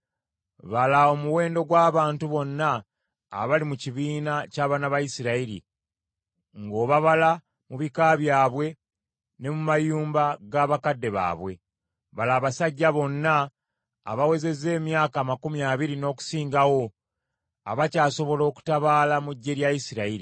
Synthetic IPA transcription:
βalao̞muwe̞ːndo̞ɡwaːβaːntuβo̞nːa̰ː | βalimuciβiːnacaːβanaβajisiɾaiɾḭ | ŋɡo̞ːβaβala | muβikaβjaːβwe̞ | ne̞mumajuːmbaɡaːβakadːe̞βa̰ːβwe̞ | βalaːβasaɟːaβo̞nːa̰ː | βawe̞ze̞ze̞ːmjaːkamakumjaːβiɾino̞ːku̥siːŋɡawo̞ | a̰βacaːso̞βo̞lo̞ːku̥taβaːlamuɟːe̞ɾjajisiɾaiɾi

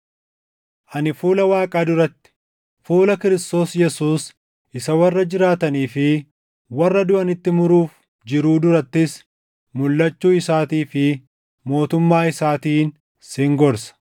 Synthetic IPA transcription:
ʔɐnɪfuːlɐwaːkʼaːd̪ʊɾɐt̪ːɪ̥ | fuːlɐkɪɾɪst̪o̞ːsjɛsuːs | ʔɪsɐwɐrːɐd͡ʒɪɾaːt̪ɐniːfɪ | wɐrːɐd̪ʊʔɐnɪt̪ːɪmʊɾuːf | d͡ʒɪɾuːd̪ʊɾɐt̪ːɪs | mʊlːɐt͡ʃːuːɪsaːt̪iːfɪ | mo̞ːt̪ʊmːaːɪsaːt̪iːn | sɪŋɡɔɾsɐ̥

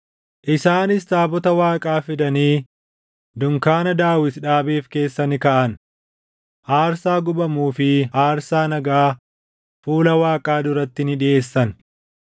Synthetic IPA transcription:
ʔɪsaːnɪst̪aːbɔt̪ɐwaːkʼaːfɪd̪ɐniː | d̪ʊŋkaːnɐd̪aːwɪt̪ᶑaːbeːfke̞ːsːɐnɪkɐʔɐn | haːɾsaːɡʊbɐmuːfɪhaːɾsaːnɐɡaː | fuːlɐwaːkʼaːd̪ʊɾɐt̪ːɪnɪᶑɪʔe̞ːsːɐn

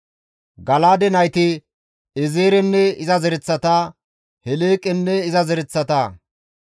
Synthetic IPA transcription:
ɡɐlaːd̪ɛnɐjt̪ɪ | ɛzeːɾɛnːɛɪzɐzɛɾɛt͡sːɐt̪aː | hɛleːkʼɛnːɛɪzɐzɛɾɛt͡sːɐt̪aː

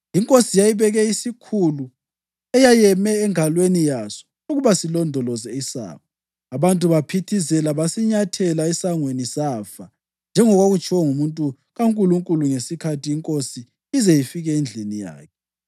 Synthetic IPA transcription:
iŋkʼosijajiβɛɣɛisikʰulu | ɛjajɛmɛːŋalwenijasɔ̥ | uɣuβasilɔndʱɔlɔzɛisa̰ːβɔ | aβantʼuβapʰitʰisɛlaβasiɲatʰɛlaɛsaŋwenisaːfa | nd͡ʒʱɛŋɔɣwoɣut͡ʃʰʼwɔŋumuntʼu | ɣaŋkʼuluŋkʼuluŋesikʰatʰiiŋkʼosi | izɛjifiɣɛend͡ɮʱinija̰ːkʰɛ

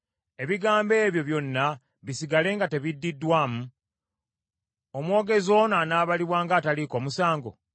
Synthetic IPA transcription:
e̞βiɡaːmbe̞ːβjo̞βjo̞nːa | βisiɡale̞ːŋɡate̞βidːidːwaːmu | omwo̞ːɡe̞zo̞nanaːβaliβwaːŋɡaːtaliko̞ːmusaːŋɡo̞̰

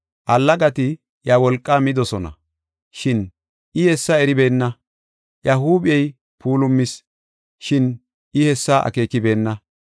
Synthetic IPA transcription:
ʔɐlːɐɡɐt̪ɪ | ʔjɐwɔlkʼːaːmɪd̪ɔsɔnɐ̰ | ʃɪn | ʔɪjɛsːɐɛɾɪbe̞ːnːɐ | jɐhuːbɪɛj | puːlʊmːɪs | ʃɪn | ʔɪhɛsːaʔɐ̰ke̞ːkɪbe̞ːnːɐ

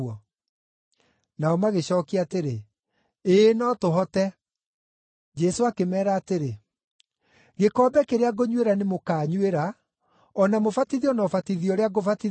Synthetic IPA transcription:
ɔ | naɔmaɣeɕɔːkiateɾe | enɔtoɦɔtɛ | d͡ʒɛsoakemɛːɾaːteɾe | ɣekɔːbɛkeɾeaɡoɲweɾanemokaːɲweɾa | ɔnamofatiðiɔnɔfatiðiɔɾeaɡofati

